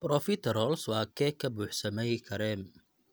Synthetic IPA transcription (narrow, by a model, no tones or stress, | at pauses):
b̥ɾɔfɪt̪ʰɛɾɔlswɑːkʰɛkʰɐbuːħsɐmɛjkʰɐɾɛm